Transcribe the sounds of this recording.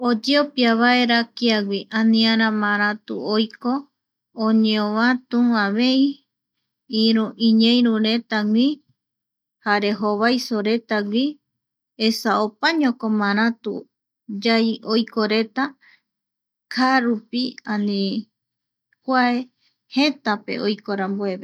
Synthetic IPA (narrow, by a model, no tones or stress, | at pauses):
od͡ʒeopiaβae̞ɾakiaɡʷiʔãnĩaɾãmãɾ̃ãt̪ṵojko | õɲẽõβãt̪ũãβei | iɾuĩɲẽĩɾũɾe̞t̪awĩ | haɾe̞ɦoβajsoɾe̞t̪aɡʷi | esaopaɲõkõmãɾ̃ãt̪ṵ | d͡ʒajojkoɾe̞t̪a | kʰaɾupiãnĩ | kʷae | het̪ape̞̰ojkoɾambueβe